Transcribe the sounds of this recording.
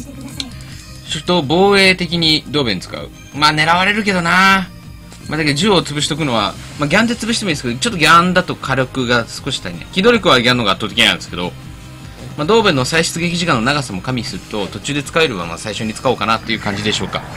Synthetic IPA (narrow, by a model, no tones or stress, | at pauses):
t͡ɕoɾɯt̪ːo̞bo̞ːe̞ːt̪e̞kʲiɲ̟id̪o̞ːbẽnt͡sɨ̥ka̰ɯ̟̰ | maːne̞ɾaβaɾe̞ɾɯ̟ke̞d̪o̞na | mʔad̪akeod͡ʑɨot͡sɨbɯ̟ɕi̥t̪o̞kɯ̟no̞βa̰ | maɡʲãnd̪e̞t͡sɨbɯ̟it̪eĩnsked̪ot͡ɕot̪ːo̞ɡʲãnd̪at̪o̞kʰaɾo̞kɯ̟ɡasɨ̥ko̞ɕi̥t̪ainḛkʲid̪oɾʲo̞kɯβaɡʲãnːo̞ɡaːt̪ːoːt̪e̞kʲiɲiã̰nd̪eske̞d̪o̞ | mad̪o̞ːbenːosaiɕi̥t͡sɨɡe̞kʲiʑikãnːo̞naɡasamo̞kamʲisɨɾɯ̟t̪o̞t̪o̞t͡ɕɨːd̪e̞t͡sɨ̥kaeɾɯ̟βã̰a̰saiɕo̞ɲ̟it͡sɨ̥kaoːkanat̪ːe̞jɯ̟kãɲ̟d͡ʑid̪e̞ɕo̞ːka̰